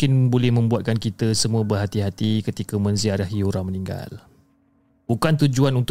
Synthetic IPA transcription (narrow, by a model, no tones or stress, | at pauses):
kɪnbolɛhmə̃mbuat̪̚kankit̪əsəmũəbərɦat̪iɦat̪ikət̪ikəmə̃nziaɾaɦiuɾaməniŋɡa̰l | bukant̪ud͡ʒuanunt̪